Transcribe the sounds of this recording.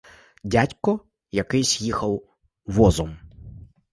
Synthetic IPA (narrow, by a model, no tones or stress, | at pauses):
dʲatʲkɔ | jɐkɪsʲjixɐw | ʋɔzɔm